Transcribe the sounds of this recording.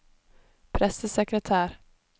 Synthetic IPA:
pʰɾɛsəsɛkɾət̪ʰæːɾ

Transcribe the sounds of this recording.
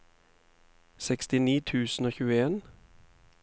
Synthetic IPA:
sɛkst̪ɪniːt̪ʰʉːsn̩oːçʉːəeːn

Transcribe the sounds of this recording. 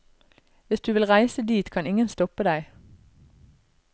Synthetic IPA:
ʋɪsd̪ʉːʋɪlʁæɪsəd̪iːt̪kʰɑnɪŋənst̪ɔpəd̪æɪ

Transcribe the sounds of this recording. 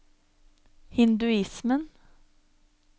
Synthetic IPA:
hɪnd̪ʉɪsmən

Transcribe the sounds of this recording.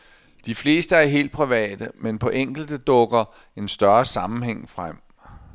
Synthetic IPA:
d̥ifle̝ːsd̥əæɐɦe̝̰ːld̥̚pʰʁiʋɛ̰ːd̥əmenpʰɒ̽ʔeŋ̰ɡ̥l̩d̥d̥ɔ̽ɡ̥ɐ | e̝nsd̥ɶɐsɑ̈mn̩ɦeŋ̰fʁam̰

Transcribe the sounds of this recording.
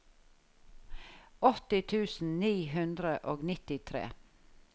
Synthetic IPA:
ɔt̪ɪt̪ʰʉːsn̩niːɦʉnd̪ɾəʔoːɡnɪt̪ɪt̪ʰɾḛː

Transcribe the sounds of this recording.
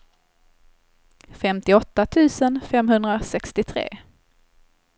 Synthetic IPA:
fɛmt̪ɪɔt̪ːat̪ʰʉ̟ːsənfɛmɦɵnd̪ɾasɛkst̪ɪt̪ʰɾḛː

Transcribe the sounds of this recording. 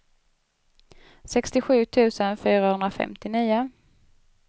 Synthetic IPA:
sɛkst̪ɪɧʉ̟ːt̪ʰʉ̟ːsənfyːɾahɵnd̪ɾafɛ̰mt̪ɪniːʊ

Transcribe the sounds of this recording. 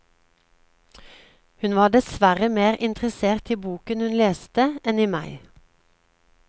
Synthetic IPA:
hʉnʋɑːd̪ɛsʋæʁəmeːʁʔɪnt̪ʁəseːʁt̪iːbuːkənhʉnleːst̪əʔɛniːmæɪ

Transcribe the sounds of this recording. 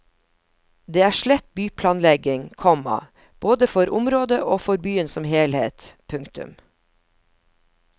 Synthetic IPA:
d̪eːæːʃɭɛt̪byːpʰlɑːnlɛɡɪŋkʰɔmɑ̰ | b̥oːd̪əfɔɾʔʊmɾoːd̪əʔoːfɔɾbyːənsɔmheːlhḛːt̪pʰʉŋkt̪ʉ̰m

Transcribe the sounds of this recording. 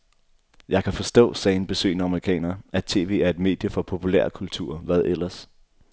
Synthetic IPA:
jɑ̈ɪkʰæfɒ̽sd̥ɔ̰̽ːsɛːenb̥e̝sø̰ːnəɑ̈məʁikʰɛ̰ːnɐːʔæt͡sʰe̝̰ːʋe̝̰ːæɐe̝d̥me̝̰ːd̥jəfɒ̽pʰo̝pʰulæ̰ɐkʰult͡sʰṵɐ̰ʋæð̞ˠʔelɐs

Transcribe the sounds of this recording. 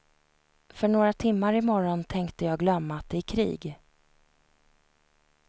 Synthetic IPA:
fœɳoːɾat̪ʰɪmːaɾɪmɔɾɔnt̪ʰɛŋkt̪əjɑːɡlœmːat̪̚d̪ɛkʰɾḭːɡ

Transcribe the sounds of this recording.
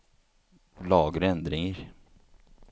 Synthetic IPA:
lɑːɡɾəɛnd̪ɾɪŋəɾ

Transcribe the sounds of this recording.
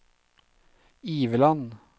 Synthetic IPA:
iːʋəlɑn

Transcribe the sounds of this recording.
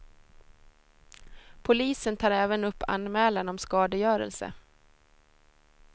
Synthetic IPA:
pʰʊliːsənt̪ʰɑːɾɛːvənɵpːa̰nmɛːlanɔmskɑːd̪əjœːɾə̰lsə̰

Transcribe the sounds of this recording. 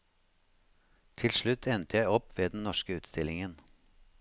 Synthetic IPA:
t̪ʰɪlʂɭʉt̪ʰːɛnt̪əjæɪɔpːʋeːd̪n̩nɔʃkəʉːt̪st̪ɪlɪŋən

